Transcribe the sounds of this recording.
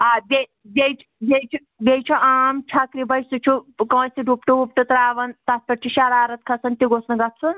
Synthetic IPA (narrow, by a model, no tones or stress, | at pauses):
abʲe | bʲejt͡ʃʰbejt͡ʃʰu | bʲejt͡ʃʰuaːmt͡ʃʰakɾibɐjsut͡ʃʰukɐ̃wsiɖupʈuup̚ʈɨt̪ɾaːʋɐnt̪aspɐʈ̚t͡ʃʰiʃaɾaːɾɐt̪̚kʰɐsɐnt̪iɡosnɐɡɐt̪t͡sʰun